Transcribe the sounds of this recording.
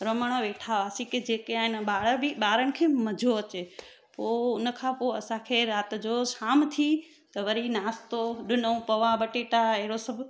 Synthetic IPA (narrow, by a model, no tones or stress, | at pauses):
ɾɐməɽ̃oʋeːʈʰaʋaːsiked͡ʑeːkeaːɦɪnɓaːɽəbɪɓaːɾənɪ̆kʰeːmɐd͡ʑʱoɐt͡ɕe | poːʊnə̆kʰãpoɐsãkʰeːɾaːt̪ɪ̆d͡ʑoʃaːmt̪ʰi | t̪ɐʋɐɾinaːst̪oɗɪnəũpɐʋãɓɐʈeʈaeɦɪɾosɐbʱ